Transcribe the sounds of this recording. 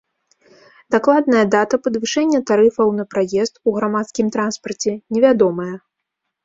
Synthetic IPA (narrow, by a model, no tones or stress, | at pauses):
d̪̥aklˠad̪̚nɐjɐd̪at̪ɐpɐd̪vɨʂɛnʲːɐt̪aɾɨfɐwn̪ɐpɾajɛst̪uɣɾamat̪skʲimt̪ɾanspɐrt͡sʲɛnʲɛvʲad̪ɔmɐjɐ